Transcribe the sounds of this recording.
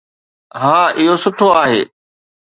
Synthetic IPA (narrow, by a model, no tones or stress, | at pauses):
ɦãːɪɦosʊʈʰoaːɦeː